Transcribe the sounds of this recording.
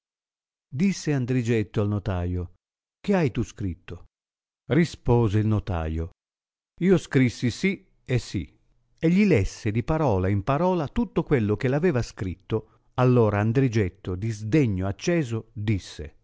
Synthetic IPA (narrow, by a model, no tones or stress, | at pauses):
d̪isːeand̪ɾid͡ʒɛt̪ːoalnot̪aːjo | k̟eajt̪uskɾit̪ːo | rispoːzeilnot̪a̰ːjo | iːoskɾisːisi | esːḭ | eʎːilɛsːed̪ipaɾɔːlaimpaɾɔːlat̪ut̪ːokwelːok̟elavɛːvaskɾit̪ːo | alːoːɾaːnd̪ɾid͡ʒɛt̪ːod̪izd̪ɛɲːoat͡ʃːɛːzod̪isːḛ